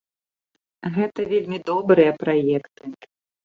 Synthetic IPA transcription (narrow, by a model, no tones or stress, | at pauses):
ɣɛt̪ɐvʲelʲmʲid̪ɔbɾɨjɐpɾajɛkt̪ɨ